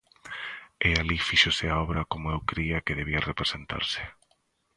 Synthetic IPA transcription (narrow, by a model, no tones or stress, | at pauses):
ealifiʃoseaɔβɾakomoewkɾiakeðeβiarepɾesent̪a̰ɾse̥